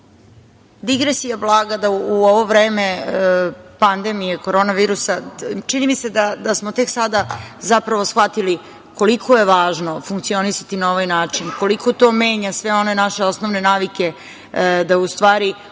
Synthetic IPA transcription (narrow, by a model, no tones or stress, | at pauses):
d̪iɡɾesijablˠaːɡad̪auoʋo̞ʋɾeːme̞ | pand̪e̞mijeko̞ɾo̞ːnaʋiːɾusat͡ʃinimised̪ad̪asmot̪e̞ksad̪azapɾaʋo̞sxʋat̪ili | ko̞likʰoje̞ʋaːʒno̞fuŋkt̪sio̞nisat̪inao̞ʋajnaːt͡ʂinko̞liko̞t̪o̞ːme̞ːɲasʋe̞o̞ne̞naʃe̞o̞sno̞ʋne̞naːʋike̞ | d̪aust̪ʋaːɾi